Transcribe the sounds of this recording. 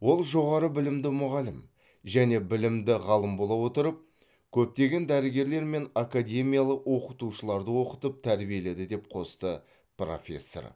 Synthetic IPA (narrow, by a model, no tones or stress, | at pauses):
wo̞lˠʒo̞ʁɑɾəbɪlɪmd̪ɪmʊʁɑlɪm | ʒæne̞bɪlɪmd̪ɪʁɑlˠəmbo̞lˠɑwo̞t̪əɾəp̚ | kʲʰɵp̚t̪e̞ɡʲe̞nd̪æɾɪɡʲe̞ɾle̞ɾme̞nakadʲe̞mijalˠəqwo̞qət̪uʃəlˠɑɾd̪əwo̞qət̪əp̚t̪ʰæɾbije̞le̞d̪ɪd̪e̞p̚qʰo̞st̪ə | pro̞̰fʲe̞̰sːo̰r